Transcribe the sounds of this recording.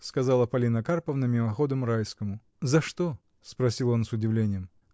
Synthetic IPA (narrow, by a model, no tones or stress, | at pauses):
skɐzɑlˠəpɐlʲinəkarpəvnəmʲɪmɐxo̞d̪əmɾajskəmʊ | zɐʂt̪o | spɾɐsʲilˠo̞nsʊdʲɪvlʲenʲɪjəm